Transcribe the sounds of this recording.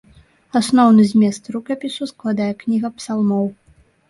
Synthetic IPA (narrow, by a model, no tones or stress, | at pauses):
asnɔwnɨzʲmʲɛst̪ɾukɐpʲisusklˠad̪ajɛknʲiɣɐpsalˠmɔw